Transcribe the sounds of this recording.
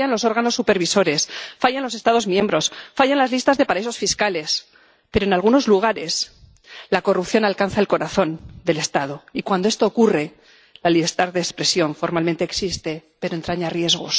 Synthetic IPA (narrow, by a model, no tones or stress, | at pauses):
anlo̞so̞ɾɣano̞sːupe̞ɾβiso̞ɾe̞sfaʝanlo̞se̞st̪aðo̞zmjẽ̞mbɾo̞sfaʝanlazlist̪azðe̞paɾaisosfiskale̞s | pe̞ɾo̞enalɣuno̞zluɣ̞aɾe̞s | lako̞rupθjo̞nalkanθae̞lko̞ɾaθo̞nd̪e̞le̞st̪að̞o̞ikwand̪o̞est̪o̞ːkure̞ | laliβeɾt̪aɾðeːspɾe̞sjo̞ɱfo̞ɾmalment̪e̞ːksist̪e̞pe̞ɾoent̪ɾaɲarje̞zɣo̞̰s